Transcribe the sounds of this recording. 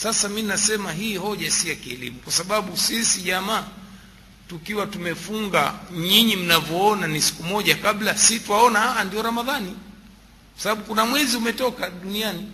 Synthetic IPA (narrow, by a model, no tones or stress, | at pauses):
sasaminnasɛmaɦiːhɔʄasijakiɛ̰lḭmukwasaɓaɓusisiʄamaː | tukiwatumɛfuŋɡa̰ɲiɲim̩navjɔɔnanisi̥kumɔʄakaɓlasitwaɔnahaʔandiɔɾamaðani | kwasaɓaɓukunamwɛziumɛtɔkaɗuniani